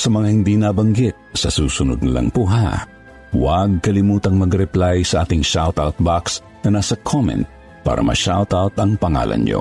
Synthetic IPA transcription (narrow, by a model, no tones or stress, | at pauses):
sɐmɐŋahɪnd̪inabɐŋɡɪt̪̚sɐsuːsʊnʊ̰d̪̚nlɐ̰ŋpʊɦa | wɐɡ̚kɐlɪmuːt̪ɐŋmɐɡɾɛplajsɐʔaːt̪ɪŋʃawt̪awt̪̚baks | nɐnaːsɐkʰomɛ̰nt̪̚ | pa̰ːɾɐ̰mɐ̰ʃawt̪awt̪ɐŋpɐŋa̰ːlɐ̰nɲo̰